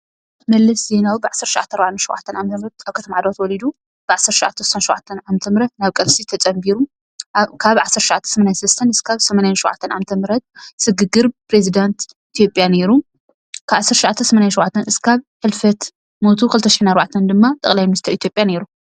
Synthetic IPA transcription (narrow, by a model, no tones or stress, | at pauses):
mɐlːɐsze̞nawibɨʕasːɐɾt̪ʃwʕa̰t̪ʰːɐɾbaʕanʃuwʔa̰t̪ʰːɐnʔamt̪ʰɐmɾɐt̪aβkʰɐt̪ʰɐmʕad̪wat̪wɔlid̪u | b̥ɨʕasːɐɾt̪ʃʊwʕa̰t̪ʰːɐsu̥sanʃuwʔʕa̰t̪ʰːɐnʕamt̪ʰɐmɨɾɐt̪naβkʼɐlsit̪ʰɐt͡sʼɐmbiɾu | kʰaβʕasːɐɾʃʊʕat̪ʰːɐ̥nsɐmanansɐlɐst̪ʰɐnɨskʰaβsɐmanajanʃuwʕa̰t̪ʰːɐnʕa̰mt̪ʰɐmɨɾɐt̪̚sɨɡɨɡɨɾpɾe̞zid̪ant̪ | it̪ʰjo̞pʼjane̞ɾu | kʰaβasːɐɾʃʊʕat̪ʰːɐnsɐmanjanʃɪwʕat̪ʰːɐnɨskʰaβħɨlfɐt̪ | mo̞t̪ʰukɨlɨt̪ʰːɐʃɪ̥ħɨnaɾbaʕat̪ʰɐnd̪ɨmːat̪ʼɐ̰kʼlajmɨnɨst̪ʰɐʔit̪jo̞pʼjane̞ɾu